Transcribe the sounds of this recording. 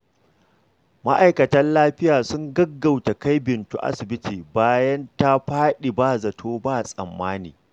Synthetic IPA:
ma̰˦ʔa˨jkɐ˨tɐ˦nlaː˦ɸɪ˦jaː˨sʊ˦ŋɡɐ˦ɡːa˨wte˨ka˦jbɪ˨nt͡ʃṵ˦ʔa̰˦sɪ˨bɪ˦tiː˨baː˦jɐ˦nta˦ɸaː˦ɗi˨baː˦˨zɐ˨tʰoː˦baː˦sʼɐ˨mːaː˦nḭː˨

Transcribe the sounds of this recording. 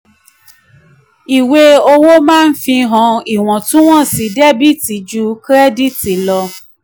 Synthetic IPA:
i˨we˧o˧wo˦mãː˦˧n̩˦fĩ˧ɦɔ̃˧i˨w̃ɔ̃˨tũ˦w̃ɔ̃˦˨si˨de˦bi˦˨ti˨d͡ʒu˧˦kɾɛ˦di˦ti˨lɔ˧

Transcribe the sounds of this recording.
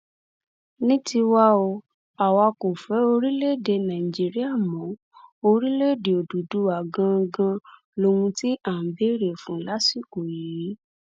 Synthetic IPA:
nĩ˦ti˧wa˦o˧ | a˨wa˧ko˨fɛ˨˦o˧ɾi˦le˦de˧nã˨i˨d͡ʒi˨˦ɾi˦a˦˨mɔ̃˨˦ | o˧ɾi˦le˦˨de˨o˨du˨du˨˦a˨ɡã˧ɡã˧ | lo˧wũ˧ti˦ã˦˨˦be˦ɾe˨fũ˨˦la˦si˦˨ko˨ji˨i˨˦

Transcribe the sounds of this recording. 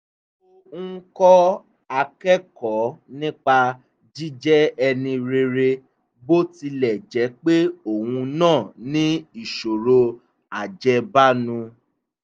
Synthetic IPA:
ŋ̩˦kɔ˦ | a˨kɛ˦kɔ˨˦nĩ˦k͡pa˧ | d͡ʒi˦d͡ʒɛ˦ɛ˧nĩ˧ɾe˧ɾe˧ | bo˦ti˧lɛ˨d͡ʒɛ˨˦k͡pe˦o˦˨wũ˧nãː˦˨nĩ˦i˦˨ʃo˨ɾo˧ | a˨d͡ʒɛ˧ba˦nũ˧

